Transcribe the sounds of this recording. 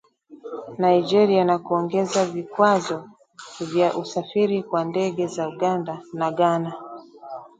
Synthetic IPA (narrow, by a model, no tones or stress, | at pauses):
naid͡ʒɛɾianakuɔŋɡɛzavikwazɔ | vjaʔusafiɾikwandɛɠɛzauɡandanaɠana